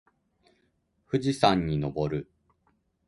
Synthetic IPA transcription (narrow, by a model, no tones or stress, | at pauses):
ɸɯ̟ʑisãɲ̟ːino̞bo̞ɾɯ̟